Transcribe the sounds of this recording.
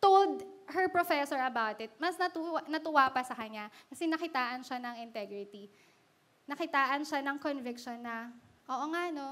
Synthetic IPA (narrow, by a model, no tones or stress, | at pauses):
t̪old̪hɛɹpɹofɛsɔɹɐbawt̪ɪt̪̚mɐsnɐt̪uanɐt̪ʊwaːpɐsɐkɐɲakɐsɛnɐkɪt̪aːʔɐnʃanɐŋɪnt̪ɛɡɾɪt̪i | nɐkɪt̪aːʔɐnʃanɐŋkonvɪkʃonːɐʔoːʔoŋaʔno̞